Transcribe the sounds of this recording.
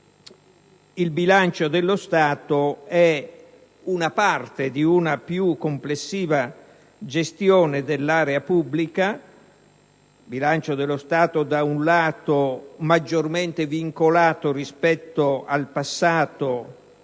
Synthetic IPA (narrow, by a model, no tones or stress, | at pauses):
ilbilant͡ʃod̪elːost̪aːt̪oɛ | unapart̪ed̪iunapjukːomplesːiːva | d͡ʒest̪jɔːned̪elːaːɾeapubːlika | bilant͡ʃod̪elːost̪aːt̪od̪aunlaːt̪omad͡ʒːorment̪eviŋkolaːt̪orispɛt̪ːoalpasːaːt̪o